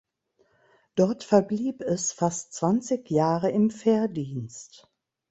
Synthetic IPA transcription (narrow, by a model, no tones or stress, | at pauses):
d̥ɔɐtfɛɐbliːpɛsfastt͡sv̥ant͡sɪçjaːʁəɪmfɛːɐdiːnst